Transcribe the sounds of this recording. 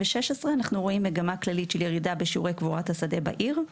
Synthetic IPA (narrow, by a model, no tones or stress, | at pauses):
beʃeʃesʁeanaχnuʁo̞imːeɡamaklalitʃeljeʁidabeʃiuʁejkvuʁathasade̞ba̰ʔiʁ